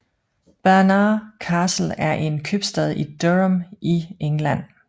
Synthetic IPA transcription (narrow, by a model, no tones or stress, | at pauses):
b̥æɐnɑːkʰɑːsl̩æɐʔe̝nkʰøb̥sd̥ɛð̞̰ˠid̥ømʔieŋlæn̰